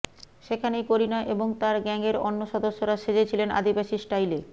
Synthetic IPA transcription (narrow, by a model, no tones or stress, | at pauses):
ʃekʰanejkoɾinaʔeboŋt̪aɾɡɛŋeɾɔ̰nːoʃɔd̪oʃːoɾaʃed͡ʑet͡ɕʰilena̰d̪ibaʃisʈajle